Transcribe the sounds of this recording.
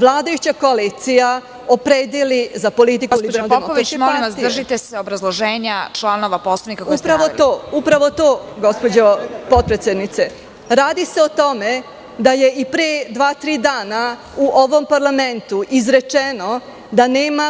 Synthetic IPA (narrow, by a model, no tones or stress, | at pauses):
ʋlˠaːd̪ajut͡ɕako̞alit̪sija | opɾeːd̪jelizapo̞lit̪ikulibɾnodp̪emooʋkikmoamasdrʒit̪esɛobɾazlˠoʒeːɲat͡ʃlˠanoʋaposlˠɐʋnikakupɾaʋot̪oːupɾaʋo̞t̪oːɡo̞spod͡ʑopo̞t̪̚pɾet̪sjed̪nit̪se̞ | ɾaːd̪iseot̪o̞me | d̪aje̞ipɾed̪ʋaːt̪ɾiːd̪aːna | uʔo̞ʋo̞mpaɾlˠament̪uʔizɾe̞t͡ʂeno | d̪aneːma